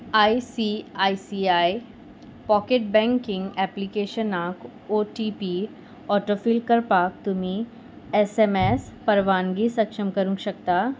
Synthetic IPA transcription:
aːisiːaːisiːaːi | pɔːkeːʈ̚bɛ̃ːŋkɪ̃ŋɡɛːplikeːʃənãːk | oːʈiːpiː | ɔːʈoːfiːlkɐɾpaːk̚t̪ʊmĩ | ɛsemeːspɐɾʋaːnɡisɐkʃəmkɐɾũɡʃɐkt̪aː

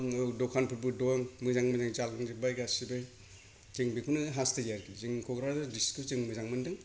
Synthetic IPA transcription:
ŋɯdɔkʰanpʰɯɾbɯdoaŋmɯzaŋmɯzaŋzalɯŋzibajɡasibej | teŋbekʰunɯɦastejaɾɡizɯŋkʰɔɡɾazadiskuzɯŋmɯzaŋmɯndɯŋ

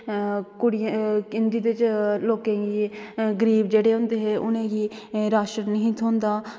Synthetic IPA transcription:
kʊɽɪjkɪnd͡ʒ̪iːd̪ɪt͡ʃloːkẽːɡiːɡəɾiːbd͡ʒeːɽeːɦʊ̃nd̪eːɦeːʔʊnẽːɡiːɾaːʃənnəɦĩːt̪ʰõːnd̪aː

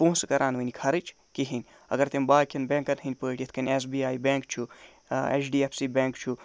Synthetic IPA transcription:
põːskɐɾʔaːnʋənikʰɐɾɨt͡ʃʰ | kiɦinʲ | ɐ̰ɡɐɾt̪embaːkʰinbẽːŋkɐnɦinʲpəːʈʲet̪ʰkɐnʲes̬biːaːjbẽːŋkt͡ʃʰu | ḛt͡ʃʰɖiːepʰsibʲẽːŋkt͡ʃʰu

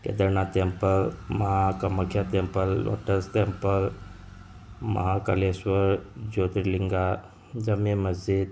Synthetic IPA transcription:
kḛd̪əɾɳat̪empəɾməɦakəməkʰjat̪empəlːo̰ʈəst̪empəɾ | mə̰ɦakəlesʋəɾd͡ʑod̪ɾiliŋɡa | d͡ʑəmeməzd͡ʑid̪

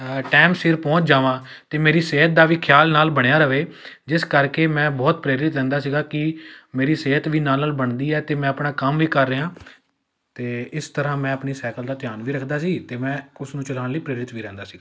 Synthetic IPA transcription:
ʈɛːmsɪɾpɔ̃ːt͡ʃd͡ʒaːʋãː | t̪eːmeːɾiːseːɦət̪̚d̪aːʋiːkʰjaːlnaːlbəɽ̃ejaːɾəʋeːd͡ʒɪskəɾkeːmɛ̃ːbɔːt̪̚pɾeːɾɪt̪ɾɛ̃ːnd̪aːsiːɡaːkɪmeːɾiːseːət̪ʋiːnaːlnaːlbəɳd̪iːɛːt̪eːmɛ̃ːəpɳaːkəmʋiːkəɾːəɦãː | t̪eːɪst̪əɾãːmɛ̃ːəpɳiːsɛːkəld̪aːt̪ɪjaːnʋiːɾəkʰd̪aːsiːt̪eːmɛ̃ːʊsnũːt͡ʃəlaːɳləiːpɾeːɾɪt̪ʋiːɾɛ̃ːnd̪aːsiːɡaː

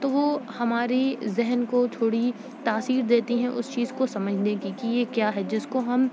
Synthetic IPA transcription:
t̪oʋohɐmaːɾizɛɦnkot͡ʃʰoːɽi | t̪aːsiːɾd̪eːt̪iɦɛ̃ʔʊ̰st͡ʃiːzkosɐməd͡ʒʱneɡikijekjaːɦɛd͡ʒɪskoɦɐm

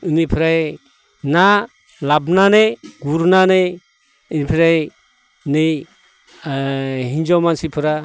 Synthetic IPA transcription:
ɯnipʰiɾaj | na | labnanɯjɡuɾnanɯj | nipʰiɾaj | nɯj | ɦind͡ʒawmansipʰɯɾa

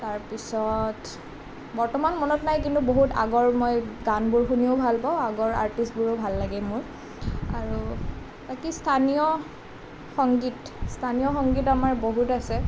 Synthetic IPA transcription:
taɹpisɔt | bɔɹtɔmanmɔnɔtnajk̬intuboɦuta̰ɡɔɹmɔjɡanbʊɹxunioʊbʱalpaʊaɡɔɹa̰ɹtistbʊɹobʱalːaɡɛmʊɹ | aɹu | bakistʰanijɔ | xɔŋɡit | stʰanijɔxɔŋɡitamaɹboɦutasɛ

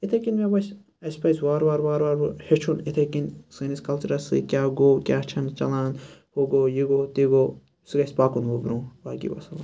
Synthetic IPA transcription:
it̪ʰekinmebɐsʲ | ɐsʲpɐjswaːɾʋaːɾʋaːɾʋaːɾhet͡ʃʰunit̪ʰekinsɐniskɐlt͡ʃuɾɐsɨ̰kʲjaːɡoːkʲjaːt͡ʃʰɐnt͡ʃɐlaːnhoɡoːjiɡoːt̪iɡoː | sɨɡɐsʲpaːkunʋobɾũbaːkḭʋɐ̰sɐla

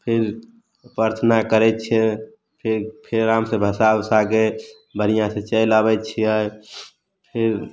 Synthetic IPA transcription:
pʰiɾ | pəɾt̪ʰənakəɾɛt̪t͡ʃʰe | pʰiɾpʰɾːamsẽbʱəsabsake | bʱənijãsẽt͡ʃəjlabɛt͡ʃʰiəj | pʰiɾ

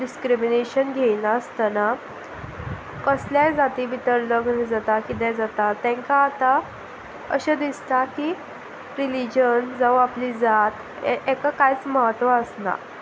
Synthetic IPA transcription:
ɖiskɾimineɕənɡʱejlaəst̪ana | kəsljajd͡zat̪iʋit̪əɾləɡnid͡zat̪akit̪ɛ̃d͡zat̪at̪ːɛ̃ŋkaːt̪a | ə̰ɕad̪ist̪aki | ɾilid͡ʑənd͡zawaplid͡zat̪ | ʔekakajt͡sməɦət̪ːʋaəsna̰

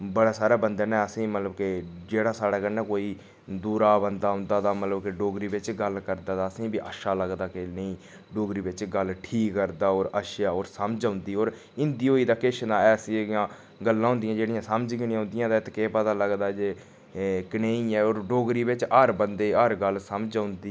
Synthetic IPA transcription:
bəɽaːsaːɾaːbənd̪eːnɛːəsĩːmət̪ləbked͡ʒeːɽaːsaːɽaːkənɛːkoːiː | d̪uːɾaːbənd̪aːɦʊ̃nd̪aːt̪aːmət̪ləbkeɖoːɡɾiːbɪt͡ʃɡəlkəɾd̪aːd̪aːəsĩːbiːʔə̰ːʃaːləɡd̪aːkenəĩː | ɖoːɡɾiːbɪt͡ʃɡəlʈʰiːkːəɾd̪aːoːɾəʃjaːoːɾsəməd͡ʒaʊnd̪iːoːɾ | ɪnd̪iːoːiːd̪aːkɪʃnaːɛːsijãː | ɡəlːãːɦʊ̃ːnd̪ɪijãːd͡ʒeːɽɪjãːsəməd͡ʒkɪnijãɦʊ̃nd̪ɪjãːd̪aːɪt̪keːpət̪aːləɡd̪aːd͡ʒeː | kneːiɛːoːɾɖoːɡɾiːbɪt͡ʃəɾbənd̪eːəɾɡəlsəmd͡ʒãːʊ̃nd̪iː

